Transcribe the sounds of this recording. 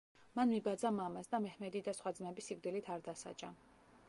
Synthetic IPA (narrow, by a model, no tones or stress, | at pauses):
manmibad̪zamamasd̪amɛhmɛd̪id̪asχwad̪zmɛbisikd̪ilit̪ʰaɾd̪asa̰t͡ʃʼa